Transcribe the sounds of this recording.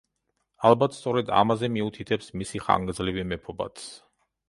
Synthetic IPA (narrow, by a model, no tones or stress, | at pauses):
alˠbat̪ʰst̪sʼɔɾɛd̪a̰mazɛmiut̪ʰit̪ʰɛpsmisiχa̰ŋɡd̪zlivimɛpʰɔba̰t̪s